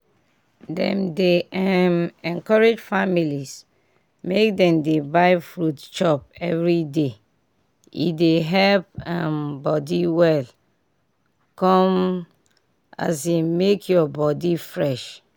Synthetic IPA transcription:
dɛ̰̃mdeɛmɛ̃nkɔɹed͡ʒfamilis | mek̚dɛ̃mdebaɪfɹutt͡ʃɔp̚ɛvɹide | ḭdeɦɛlp̚ambɔdiwɛl | kɔ̃m | a̰semekʰjɔbɔdifɹɛʃ

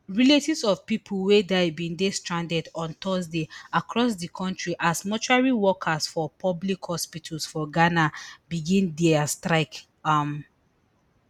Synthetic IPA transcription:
ɹiletivsɔvpipʰulwedabĩndestɹãndɛdɔ̃ntɔsdeakɹɔsdikʰɔ̃ntɹiʔasmɔt͡ʃuɹaɹiwɔkʰasfɔpʰɔblikhɔspitʰɔlsfɔɡanabiɡĩndɛastɹaɪk | am

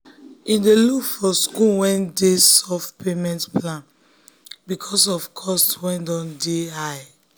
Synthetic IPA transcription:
ĩndelufɔskuwɛ̃ndesɔfpʰemɛ̃ntplãn | bikʰɔsɔfkʰɔstwɛ̃ndɔ̃ndeɦaj

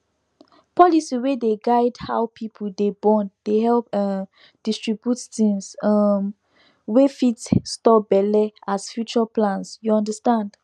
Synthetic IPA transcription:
pʰɔlisiwedeɡaɪdhawpʰipʰəldebɔ̃ndeɦɛlp | d̥istɹibjuttĩŋsm | wefitstɔbɛlɛasfjut͡ʃaplãnsjuɔ̃ndəstãnd̥

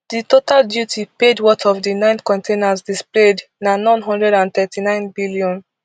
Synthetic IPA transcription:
ditotaldjutʰipedwɔtɔvdinãɪ̃nkɔ̃ntenasdispled | nanãnɦɔ̃ndɹɛdãnθɛtʰinãɪ̃nbiliɔ̃n

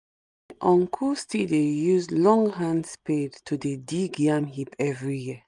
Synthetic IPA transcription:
ʔɔ̃ŋkʰustidejuzlɔ̃ŋɦãndspedtʰudediɡãmhipʰɛvɹijiə

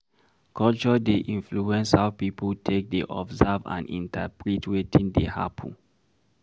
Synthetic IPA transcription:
kʰɔlt͡ʃɔdeʔĩnfluɛ̃nshaʊpipəltʰek̚deʔɔ̰bzavã̰nḭ̃ntapɹitwetʰĩndeha̰pʰə̃n

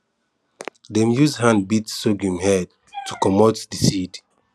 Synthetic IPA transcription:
dɛ̃mjuzhãndbitsoɡũmhɛd̚ | tʰːukɔmɔtdisid

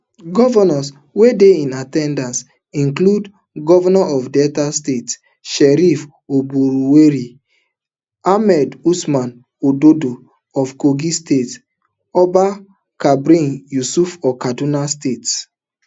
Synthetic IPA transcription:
ɡɔvɔnɔs | wedeĩnatɛ̃ndãns | ĩnklud | ɡɔvɔnɔʔɔfdɛtastet | ʃɛɾif | obuɾuweɾi | amɛdusmãn | ododo | ɔfkoɡistet | ɔba | kabɾĩnjusufɔkadunastet

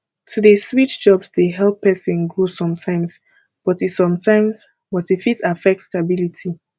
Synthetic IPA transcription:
tʰudeswitd̥d͡ʒɔbsdeɦɛlpʰːɛsĩnɡɹosɔ̃mtʰãɪ̃ms | b̥ɔtisɔ̃mtʰãɪ̃ms | bɔtefitafɛk̚tstabilitʰi

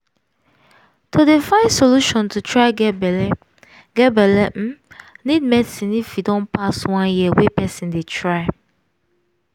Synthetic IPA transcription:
tʰodefãɪnsoluʃɔ̃ntʰutʰɹaɪb | ɡɛbɛlɛm̩nid̚mɛsĩnifjidɔ̃npʰaswãnjiəwɛpɛsĩndetʰɹaɪ

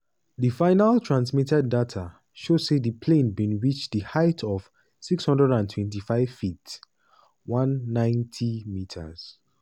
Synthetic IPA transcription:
ðifaɪnaltʰɹãnsmitɛdːatʰa | ʃo̥sedipʰlẽnbĩnɹit͡ʃdihaɪtʰɔv̥ | sikshɔ̃ndɹɛdãntʰwɛ̃nt̬ifaɪv̥fit | wãnːãɪ̃ntʰimitʰa̰z̥

